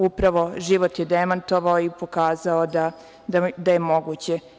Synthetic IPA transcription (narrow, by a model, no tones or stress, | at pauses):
upɾaʋo̞ʒiʋot̪jed̪emant̪o̞ʋaoipo̞kaːzaod̪a | d̪ad̪aje̞mo̞ɡuːt͡ɕe